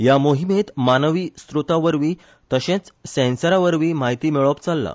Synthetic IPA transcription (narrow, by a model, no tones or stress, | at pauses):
jamoɦimet̪manəʋiːst̪ɾut̪aʋəɾʋiː | t̪əɕẽt͡ssɛ̃nsəɾaʋəɾʋiːmaɦit̪iːmeɭəp̚t͡salːa̰